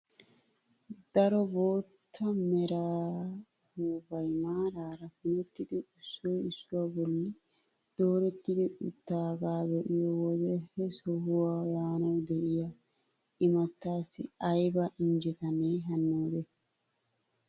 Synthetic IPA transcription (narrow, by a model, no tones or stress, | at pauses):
d̪̥ɐɾɔbo̞ːt̪ʰːɐmɛɾaː | huːbɐjmaːɾaːɾɐfʊnɛt̪ːɪd̪ɪʊsːɔjʊsːʊwabɔlːɪ | d̪̥o̞ːɾɛt̪ːɪd̪ɪʊt̪ːaːɡaːbɛʔɪjɔwɔd̪ɛhɛsɔhʊwaːjaːnɐwd̪ɛʔɪjɐ | ɪmɐt̪ːaːsɪ̰ɐjbɐʔɪnd͡ʒɛt̪ɐneːɦɐnːoːd̪ɛ